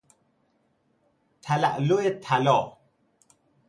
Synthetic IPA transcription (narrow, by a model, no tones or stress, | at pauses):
t̪ʰala̰ʔloet̪ʰalɔ